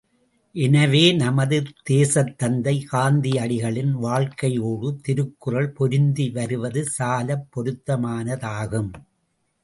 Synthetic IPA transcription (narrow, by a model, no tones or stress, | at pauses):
ʔɛnɐʋeːnɐmɐðɯt̪eːsɐt̪ːɐnd̪ɐɪkaːnd̪iɐɽɪɣɐɭɪnʋaːɭkɐjoːɽɯt̪ɪɾɯkːɯrɐɭpɔɾɪnd̪iʋɐɾɯʋɐðɯsaːlɐpːɔɾɯt̪ːɐmaːnɐðaːɣɯm